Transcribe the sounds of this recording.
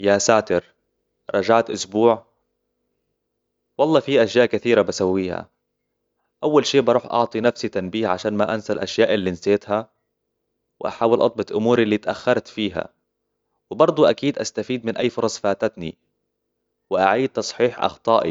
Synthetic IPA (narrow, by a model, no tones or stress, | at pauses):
jasaːt̪ɪɾ | ɾˤɑd͡ʒaʕt̪ʔʊsbuːʕ | wɑlˤːɑːfiʔaʃjaːʔkaθiːɾabasawːiːha̰ | ʔawːalʃiːʔbɑɾˤuːħʔɑ̰ʕt̪ˤinafsit̪anbiːhʕaʃaːnmaʔansalʔaʃjaːʔɪlːinseːt̪ha | wɪʔa̰ħaːwɪlʔɑ̰t̪̚ˤbɑt̪ˤʔʊmuːɾɪlːiːt̪ʔaxːɑɾˤt̪fiːɦa̰ | wɪbɑɾˤd̪ˤuʔakiːd̪ʔast̪afiːd̪̚mɪnʔajːfʊɾˤɑsˤfaːt̪at̪nḭ | wɪʔaʕiːd̪̚t̪ːɑsˤħiːħʔɑ̰xt̪ˤɑːʔḭ